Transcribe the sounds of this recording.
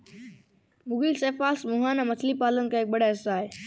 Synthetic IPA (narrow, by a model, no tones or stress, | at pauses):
mʊɡiseːfaːlsmʊɦaːnãmɐt͡ʃʰlipaːlənɪ̆kaek̚ɓɐɽaɪsaːɦeː